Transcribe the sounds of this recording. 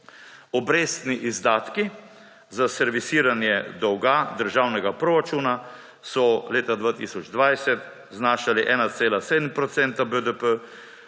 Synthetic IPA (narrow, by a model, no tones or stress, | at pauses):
ɔbɾeːst̪niʔizd̪aːt̪ki | zasɛɾʋisiːɾanjɛd̪ɔwɡad̪əɾʒawnɛɡapɾoɾat͡ʃuːna | sɔleːt̪ad̪ʋaːt̪iːsɔd͡ʒd̪ʋajsɛt̪ | znaːʃaliʔɛːnat̪seːlaseːd̪m̩pɾɔt̪sɛnt̪abəd̪əpə